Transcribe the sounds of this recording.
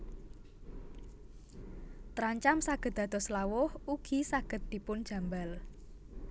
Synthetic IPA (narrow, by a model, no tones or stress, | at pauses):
t̪ɾaɲt͡ʃamsaɡ̥ə̤t̪̚d̥̪ä̤d̪̥ɔ̤slawʊhuɡ̥i̤saɡ̥ə̤t̪̚d̪̥i̤pʊnd̥ʒ̥ä̤mbal